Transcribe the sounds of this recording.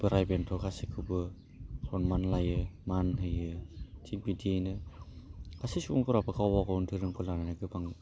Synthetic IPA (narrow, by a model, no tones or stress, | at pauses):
bɯɾajbentʰɔkasikʰɯbɯ | kɔnmanlajɯmanɦɯjɯtʰit̚bidienɯ | kʰasisuŋkuɾapɯkʰawwaɡɔuntʰɯɾɯmkʰɯlananɯɡɯbaŋ